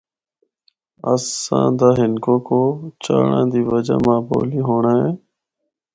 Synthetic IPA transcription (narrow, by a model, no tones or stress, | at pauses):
əsã̰ːd̪aːɦɪnkoːkoːt͡ʃaːɳã̰ːd̪iːʋəd͡ʒa̰ːmãːbo̰ːliːɦoːɳaːɦeː